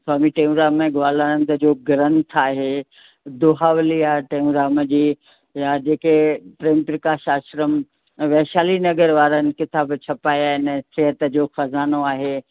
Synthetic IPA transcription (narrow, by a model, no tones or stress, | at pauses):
saːmiʈẽːũɾaːmẽɡaːlaːɾə̃nd̪əd͡ʑoːɡɐɾə̃nt̪ʰaːɦeː | d̪oɦaːʋliaːʈeːũɾaːməd͡ʑiː | jad͡ʑeːkepɾeːmpɾəkaːʃaːʃɾəm | ʋɛɦʃaːlinɐɡəɾʋaːɾənɪ̆kɪt̪aːbt͡ɕʰɐpaːjaːɪnɛ̃seɦət̪əd͡ʑoːxɐzaːnoaːɦeː